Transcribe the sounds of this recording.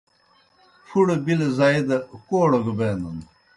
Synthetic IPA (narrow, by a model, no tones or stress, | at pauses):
fuɽebilezaid̪ɐkoːɽɐɡbeːnɐn